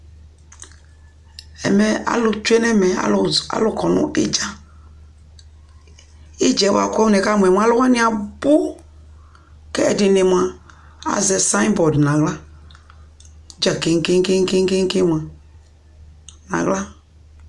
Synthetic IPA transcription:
ɛ̰˨mɛ˨a̰˨lu˨t͡ʃu˦e˦nɛ˦mɛ̰˨˦˨a̰˨˦lu˨kɔ˨nṵ˦ḛ˦d͡ʒa˨ | e˦d͡ʒɛ˨˦wa̰˨kʷɛ˦u˦nɛ˨ka˦˨mʷ˨ɛ˨m˦a˦lu˦wa˦nĩ˦a˨bu˦ | kɛ˦ɛ˨di˨ne˨mʷ˨a˨ | a̰˨zɛ˨sã˦bɔ˨dnã˨ɣla˦ | d͡ʒa˨ke˦ŋ˦ke˦ŋ˦ke˦ŋ˦ke˦ke˦ŋ˦ke˦m˨a˨ | na̰˨ɣla˦

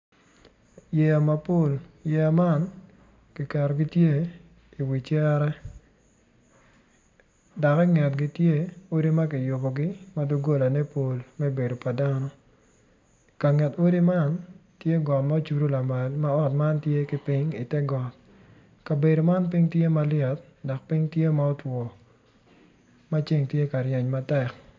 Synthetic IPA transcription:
jɛ˨a˨ma˨po˦˨ljɛ˨a˨ma˦n | kɪ˨ka˨ɾɔ˨ɡɪ˦tje˦ | i˨wi˨t͡ʃjɛ˦ɾɛ˦ | da˨kɛ˦ŋɛ˨tɡɪ˦tje˦o˦ɾi˦ma˦kɪ˨jʊ˨bɔ˨ɡɪ˦ma˦du˦ɡo˦la˨nɛ˦po˨lmɛ˦be˨do˨pa˨da˦nɔ˦ | ka˨ŋɛ˨to˦ɾi˦ma˦ntje˦ɡɔ˨tma˦o˦t͡ʃu˨ɾu˦la˨ma˨lma˦ɔ˦tma˦ntje˦kɪ˦pɪ˦ɲi˨tɛ˦ɡɔ˨t̚ | ka˨be˨do˨ma˦np̬i˦ŋtje˦ma˦lɪɛ˨t̚ | dɔ˨k̚pi˦ŋtje˦ma˦ɔ˦twɔ˨ | ma˦t͡ʃi˦ŋtje˦ka˨ɾjɛ˨ɲma˦tɛ˨k

